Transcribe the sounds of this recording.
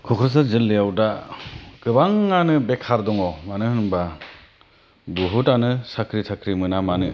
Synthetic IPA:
kʰɔkʰɾɯs̬azɯlːejawdakɯbaŋːanɯbekʰaɾdɔŋɔmanɯhɯnba | buɦutanɯsakʰɾitʰakʰɾimɯnamanɯ

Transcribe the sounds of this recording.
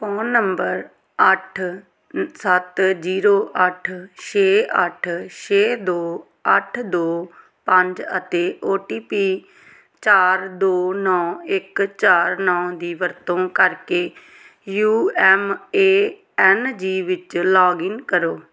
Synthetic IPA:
pɔːnːəmbəɾ | əʈʰ | sət̪d͡ʒiːɾoːʔəʈʰʃeːəʈʰʃeːd̪oː | əʈʰd̪oː | pə̃ɲd͡ʒət̪eːʔoːʈiːpiː | t͡ʃaːɾd̪oːnɔ̃ːɪkt͡ʃaːɾnɔ̃ːd̪iːʋəɾt̪õːkəɾkeː | juːɛːmeː | ɛːnd͡ʒiːʋɪt͡ʃlɔːɡɪŋkəɾoː

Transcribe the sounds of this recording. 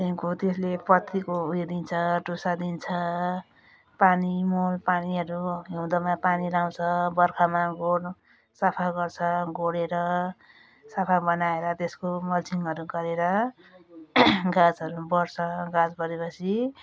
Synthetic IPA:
t̪eɦkot̪eslepʌt̪ʰːikoɦued̪int͡sʰʌʈosad̪int͡sʰʌ | panimolpaniɦʌɾuɦewd̪ʌmapaniɾaw̃t͡sʰʌbʌrkʰamaɡoɽ | sapʰaɡʌrt͡sʰʌɡoɽeɾʌ | sapʰabʌnaeɾʌt̪eskomʌlt͡sʰiŋʌɾuɡʌɾeɾʌ | ɡãd͡zɦʌɾubʌrt͡sʰʌɡãd͡zbʌɾepʌt͡sʰi

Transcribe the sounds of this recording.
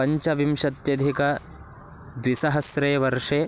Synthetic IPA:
ɐɲt͡ʃɐʋimʂɐt̪jɐd̪ʱikɐ | d̪ʋisɐɦɐsɾɐjɐʋɐɾʂeː

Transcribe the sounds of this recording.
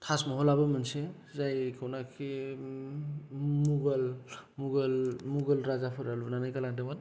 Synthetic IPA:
tʰasmɔɦɔlabɯmanse | zajkʰɯwnakʰi | muɡalmuɡalmuɡɯlɾazapʰɯɾalubnanajkalaŋdemat

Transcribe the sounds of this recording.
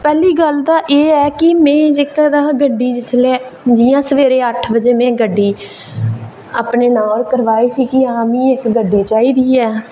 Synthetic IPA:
pɛːliːɡəld̪aːʔeːɛːkɪmɛ̃ːd͡ʒɪkd̪aːɡəɖːiːd͡ʒɪsleː | d͡ʒiːãːsəʋeːɾeːəʈʰbəd͡ʒeːmɛ̃ːɡəɖːiː | aːpneːnãːoːɾkəɾʋaːiːsiːkɪãːmĩːɪkɡəɖiːt͡ʃaːiːd̪iːɛː

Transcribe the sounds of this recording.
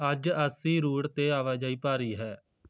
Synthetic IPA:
əd͡ʒəsĩːɾuːɽt̪eːaːʋaːd͡ʒaːiːpaːɾiːɦɛː

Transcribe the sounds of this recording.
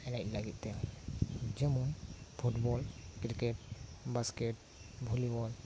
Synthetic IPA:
ɛlajt̪̚laɡit̪̚ˀt̪ɛ | d͡ʒɛmunpʰuʈbɔlkɾikɛʈbaskɛʈ̚ | bʱulibɔl

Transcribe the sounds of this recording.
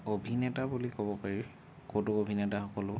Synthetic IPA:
obʱinɛtabulikɔbɔpaɹi | kotʊobʱinɛtaxɔkɔlʊ

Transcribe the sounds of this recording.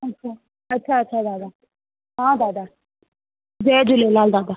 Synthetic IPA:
ɐtt͡ʃʰa | ɐtːʃʰaətːʃʰad̪aːd̪aː | ɦãːd̪aːd̪a | zɛːd͡ʒulelald̪ad̪a

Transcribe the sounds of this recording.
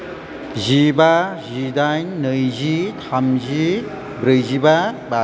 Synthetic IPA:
zibazidajnɯjzit̪ʰamzi | bɾɯjzibaba

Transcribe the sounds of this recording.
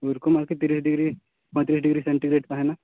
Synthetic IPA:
ʊɾkomaːɾket̪iːɾiːsɖɪɡɾi | pə̃t̪ɾiːsɖɪɡɾisẽɳʈiɡɾeːʈkaɦɛna

